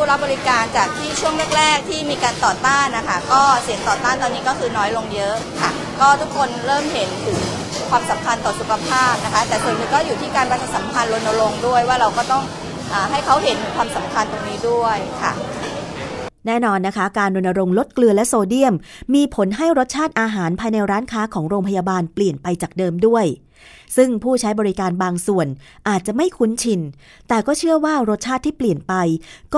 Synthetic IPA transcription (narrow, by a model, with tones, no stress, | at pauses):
ɾa˦˥p̚bɔː˧ɾi˦˥kaː˧nt͡ɕaː˨˩k̚t̪ʰiː˥˩t͡ɕʰu˥˩əŋlɯ˥˩ək̚ɾɛː˥˩k̚t̪ʰiː˥˩miː˧kaː˧nt̪ɔː˨˩t̪aː˥˩nːa˦˥kʰa˦˥˩kɔː˥˩si˨˩˦əŋt̪ɔː˨˩t̪aː˥˩nt̪ɔː˧nːiː˦˥kɔː˥˩kʰɯː˧nɔː˦˥jlo˧ŋjɤ˦˥ʔkʰa˥˩ | kɔː˥˩t̪ʰu˦˥kʰːo˧nɾɤː˥˩mɦe˩˦nt̪ʰɯ˩˦ŋ | kʰwaː˧msa˨˩˦mkʰa˧nt̪ɔː˨˩su˨˩kʰa˧pʰaː˥˩p̚na˦˥kʰa˦˥t̪ɛː˨˩t̪ʰɤː˧miː˧kɔː˥˩juː˨˩t̪ʰiː˥˩kaː˧nba˦˥t̪ʰt͡ɕʰa˨˩t̪̚sa˩˦mkʰa˧nɾo˧nːa˧ɾo˧ŋdu˥˩əjwaː˥˩ɾa˧wkɔː˥˩t̪ɔ˥˩ŋ | ʔaː˨˩ɦa˥˩jkʰa˦˥wɦe˩˦nkʰwaː˧msa˨˩˦mkʰa˧nt̪o˧ŋniː˦˥du˥˩əjkʰa̰˥˩ | nɛː˥˩nɔː˧nːa˦˥kʰa˦˥kaː˧nɾo˧nːa˧ɾo˧ŋlo˦˥t̪̚klɯ˧əlɛ˦˥soː˧di˥˩əmːiː˧pʰo˩˦nɦa˥˩jɾo˦˥t̪̚t͡ɕʰaː˥˩t̪̚ʔaː˧ɦaː˩˦npʰaː˧jna˧jɾaː˦˥nkʰaː˦˥kʰɔː˩˦ŋɾoː˧ŋpʰa˧jaː˧baː˧npli˨˩ənpa˧jt͡ɕaː˨˩k̚dɤː˧mdu˥˩əj | sɯ˥˩ŋpʰuː˥˩t͡ɕʰa˦˥jbɔː˧ɾi˦˥kaː˧nbaː˧ŋsu˨˩ənʔaː˨˩t̪̚t͡ɕa˨˩ma˥˩jkʰu˦˥nt͡ɕʰi˧n | t̪ɛː˨˩kɔː˥˩t͡ɕʰɯ˥˩əwaː˥˩ɾo˦˥t̪̚t͡ɕʰaː˥˩t̪ʰːiː˥˩pli˨˩ənpa˧jkɔː˥˩